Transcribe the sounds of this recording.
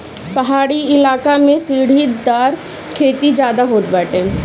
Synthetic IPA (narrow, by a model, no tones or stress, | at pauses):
pɐɦaːɽiɪlaːkamẽsiːɽ̤id̪aːɾ | kʰeːt̪id͡ʒjaːd̪aɦoːt̪baːʈẽː